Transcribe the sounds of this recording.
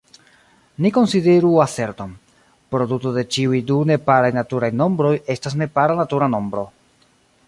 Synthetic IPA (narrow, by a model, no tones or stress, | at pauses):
niko̞nside̞ɾuase̞ɾto̞m | pɾo̞dutode̞t͡ʃiujdune̞paɾajnatuɾajno̞mbɾo̞je̞stasne̞paɾanatuɾano̞mbɾo̞